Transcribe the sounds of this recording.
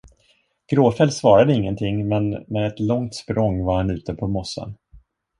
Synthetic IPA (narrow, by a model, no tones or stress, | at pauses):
ɡ̥ɾoːfɛlsvɑːɾad̪əɪŋːənt̪ʰɪŋmɛnmɛːd̪ɛt̪lɔŋt̪spɾʔɔŋːvaɾhanʉ̟ːt̪əpʰɔmɔsːə̰n